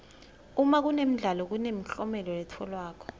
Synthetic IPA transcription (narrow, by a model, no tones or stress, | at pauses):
umak̬unem̩ɮalɔk̬unem̩ɬɔmɛlɔɛtʰɔlwaːk̬ʰɔ̥